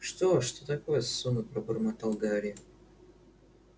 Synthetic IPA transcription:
ʂt̪oʂt̪ot̪ɐkojəsːunəpɾəbərmat̪alˠɡaɾʲɪjɪ

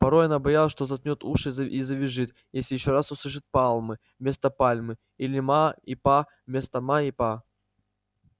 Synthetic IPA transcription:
pɐɾojɐnabɐjalˠəʂt̪ozɐt̪ʲnʲot̪uʂɨizəvʲɪʐɨt̪ | jesʲlʲɪjɪɕːoɾasʊsˠɨʂ̬ɨt̪̚palˠmɨ | mʲe̞st̪əpalʲmɨ | ilʲɪmaipa | mʲest̪ɐmaipa

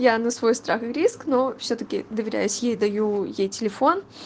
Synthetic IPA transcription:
janɐsvo̞jst̪ɾaxɨɾʲisknofsʲɵt̪əkʲɪ̰d̪əvʲɪɾʲæ̰jʊsʲjejd̪ɐjujejtʲɪlʲɪfo̞n

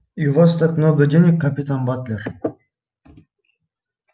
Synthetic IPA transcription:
iuvast̪akmnoɡədʲenʲɪkːɐpʲit̪anbat̪lʲer

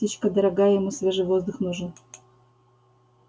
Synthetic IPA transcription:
ət͡ɕkəd̪əɾɐɡajəjɪmusvʲeʐɨjvo̞zd̪ʊxnuʐɨn

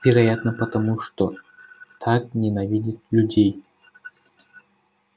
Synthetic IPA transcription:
vʲɪɾɐjat̪nəpət̪ɐmuʂt̪ot̪ʰak̚nʲenavʲidʲit̪lʲudʲej

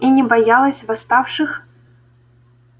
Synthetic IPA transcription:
inʲɛbajalˠɐsʲvast̪afʂɨx

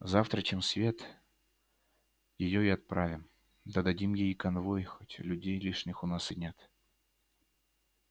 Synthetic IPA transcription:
zaft̪ɾət͡ɕemsvʲe̞t̪ | jɪjoɪɐt̪̚pɾavʲɪm | d̪əd̪ɐdʲimjejkɐnvojxotʲlʲʉdʲejlʲiʂnʲɪxʊnasɨnʲet̪

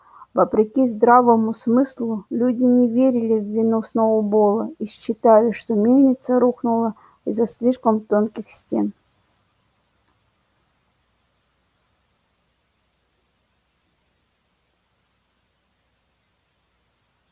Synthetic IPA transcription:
vɐpɾʲɪkʲizd̪ɾavəmʊsmɨslˠʊlʲudʲɪnʲɪvʲeɾʲɪlʲɪvʲːɪnusnoʊbolˠəiɕt͡ɕːɪt̪alʲɪʂt̪omnʲenʲɪt̪səɾuxnʊlˠə | izːɐsʲlʲiʂkəmt̪onkʲɪxsʲtʲḛn

